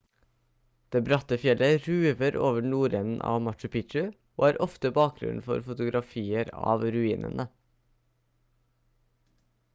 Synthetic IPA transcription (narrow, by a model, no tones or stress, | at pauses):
d̪̥eːbɾɑt̪əfjɛlʔəɾʉːʋəɾʔoːʋəɳuːɾɛːnn̩ʔɑ̰ːʋmɑʈʉpʰɪʃʉ | oːæːɾʔɔft̪əbɑːk̚ɡɾʉ̰nfɔ̰ɾfʊt̪ʊɡɾʔɑfiːəɾɑ̰ːʋɾʉiːnʔə̰nə